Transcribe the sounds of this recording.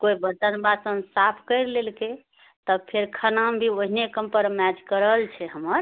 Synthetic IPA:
koibəd͡ʒənbasənsapʰkəjɾlelke | t̪əpʰeɾkʰənambʱioɦinekəmpəɾmɛd͡ʒkəɾəlt͡ʃʰɛɦəməɾ

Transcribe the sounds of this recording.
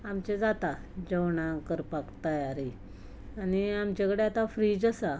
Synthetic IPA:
amt͡ɕed͡zat̪a | d͡ʑəwɳakəɾpakt̪əjaɾi | aniamt͡ɕekəɽeat̪afɾid͡zəsa

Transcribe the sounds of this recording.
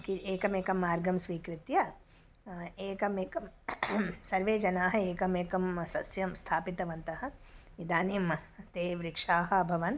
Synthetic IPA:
kieːkɐmeːkɐmːaːɾɡɐmsʋiːkɾɪt̪jɐ | eːkɐmeːkɐm | sɐɾʋeːd͡ʒɐnaːɦɐeːkɐmeːkɐmsɐsjɐmst̪ʰaːpit̪ɐʋɐnt̪ɐɦɐ̆id̪aːnimt̪eːʋɾɪkʂaːɦɐɐbʱɐʋɐn

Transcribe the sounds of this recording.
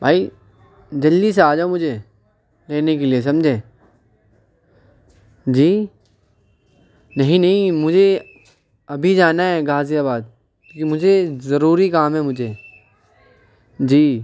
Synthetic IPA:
bʱaːi | d͡ʒɐld̪iseaːd͡ʒaːomʊd͡ʒʱe | leːnekelies̬ɐ̃md͡ʒʱẽː | d͡ʒiː | nɐɦĩnɐɦĩmʊd͡ʒʱe | ɐbʱid͡ʒaːnaɦɛɡaːzijabaːd̪̚ | mʊd͡ʒʱezɐɾuːɾikaːmɦɛmʊd͡ʒʱe | d͡ʒiː

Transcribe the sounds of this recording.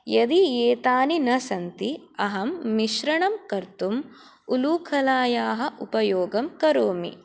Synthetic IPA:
jɐd̪ieːt̪aːninɐsɐnt̪i | ɐɦɐmːiʃɾɐɳɐmkɐɾt̪um | uluːkʰɐlaːjaːɦɐʔupɐjoːɡɐmkɐɾoːmḭ

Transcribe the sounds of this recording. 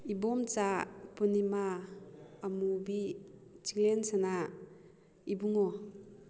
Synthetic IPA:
ibɔmt͡ʃapunimaː | mubit͡ʃiŋlensana | ibuŋɔ

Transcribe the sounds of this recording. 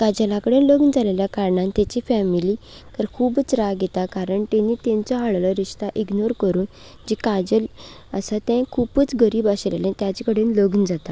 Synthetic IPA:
kad͡ʑəlãkəɽenləɡnəd͡zʱaleljakaɾɳãnt̪at͡ɕifɛmili | k̪əɾkʰuːbt͡sɾaɡet̪akaɾəɳt̪ẽnːiːt̪ɛ̃nt͡sɔɦaɭləɾiʂt̪aʔiɡnoɾkəɾuːn | d͡ʑikad͡ʑəl | əsat̪ɛ̃kʰupəːt͡sɡəɾiːbaɕlḛlẽt̪jat͡ɕikəɽenləɡnəd͡zat̪a

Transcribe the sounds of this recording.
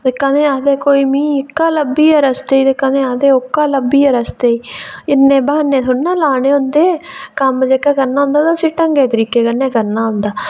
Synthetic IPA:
d̪ekːãːnẽːaːd̪eːkoːiːmĩːɪkːaːləbːiːəɾəst̪eːiːd̪ekːãnẽːaːd̪eːʊkːaːləbiːəɾəst̪eːiːɪnːẽːbaːnːẽːsʊnːãːlaːnẽːʊnd̪eːkəmd͡ʒeːkaːkəɾnaːɦʊ̃nd̪aːt̪asiːʈəŋɡeːt̪əɾiːkeːkənẽːkəɾnaːɦʊ̃nd̪aː

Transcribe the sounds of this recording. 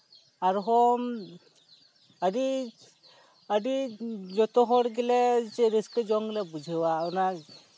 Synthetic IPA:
aɾuɦɔm | əɖi | əɖid͡ʒɔt̪ɔɦɔɽɡɛlɛɾiskəd͡ʒɔŋɡlɛbud͡ʒʱɯwaɔna

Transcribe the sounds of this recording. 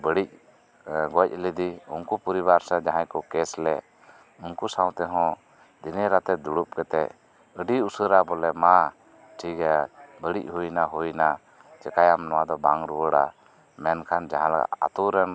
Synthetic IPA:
bəɽic̚ | ɡɔc̚ˀləd̪iuŋkupuɾiβaɾsad͡ʒaɦãjkɔkɛslɛ | unkusaw̃t̪ɛɦɔ̃ | d̪inɛɾat̪ɛd̪uɽup̚kɛt̪ɛ | əɖiusəɾabɔlɛma | ʈʰikabəɽic̚ɦujnaɦujna | t͡ʃɛkajamnɔwad̪ɔbaŋɾuwəɽa | mɛnkʰand͡ʒaɦãlaɡa̰a̰t̪uɾɛn

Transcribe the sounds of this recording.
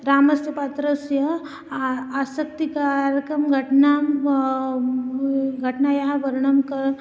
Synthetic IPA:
ɾaməst̪əpat̪ɾəsjə | asək̚t̪ikaɾjəkɾəmɡʱəʈnam | ɡʱəʈnajaɦaʋəɾɳəmkəɾ

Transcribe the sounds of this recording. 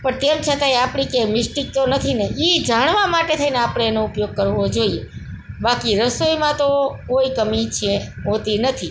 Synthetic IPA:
pəɳt̪emt͡ʃʰət̪aeapɽ̃ikemɪsʈik̚t̪onət̪ʰineid͡ʒaɽ̃ʋamaʈet̪ʰəineapɽ̃eːnoupjoɡ̚kəɾʋod͡ʒoie | bakiɾəsojmãt̪okoikəmit͡ʃʰeɦõt̪inət̪ʰi

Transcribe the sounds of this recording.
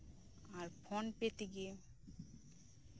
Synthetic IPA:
aɾpʰɔnpet̪iɡe

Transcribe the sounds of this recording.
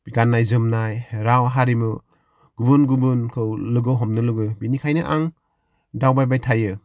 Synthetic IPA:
b̥iɡanːajzɯmnajɾawɦaɾimɯ | ɡ̥ubɯnɡubɯnkʰɯwlɯɡɯwɦɔmnɯlɯɡɯbinikʰajnɯʔaŋ | dawbajbajtʰajɯ

